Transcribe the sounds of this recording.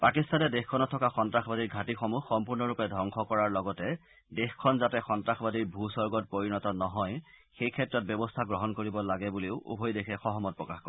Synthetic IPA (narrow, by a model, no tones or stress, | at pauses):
pakistanɛdexkʰɔnɔtʰːɔkaxɔntɹaxbadiɹɡʱatixɔmuxːɔmpuɹnɔɹupɛdʱɔŋxʰɔkɔɹaɹlɔɡɔtɛ | dexkʰɔnzatɛxɔntɹaxbadiɹbʱusɔɹɡɔt̚poɹinɔtɔnɔɦɔj | xejkʰɛtːɹɔt̚bjɔbɔstʰaɡɹɔɦɔnkoɹibɔlaɡɛbuleʊʔṵbʱojdekʰɛxɔɦɔmɔt̚pɹɔkaxkɔɹ